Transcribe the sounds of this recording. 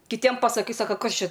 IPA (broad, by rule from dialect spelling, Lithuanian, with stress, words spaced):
kʲɪˈtʲiɛm pɐsɐˈkɐɪ ˈsɑːkɐ ˈkɐs ˈt͡ʃʲɛ